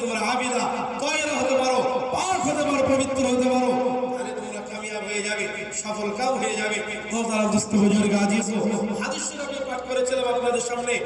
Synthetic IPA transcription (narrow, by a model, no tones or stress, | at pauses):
t̪umaɾabid̪ak̪ɔjeɾaɦot̪epaɾopaɾkʰot̪epaɾopɾobit̪ːɾoɦojt̪epaɾot̪alet̪umɾakamijabʱeed͡ʑabe | ʃɔpʰolkawɦejed͡ʑabe | t̪ot̪aɾaɾd̪ust̪obod͡ʑoɾiɡad͡ʑisoɦad̪iʃːikokeɾpaʈ̚ʰkoɾet͡ɕelebaɡbad̪eɾʃamne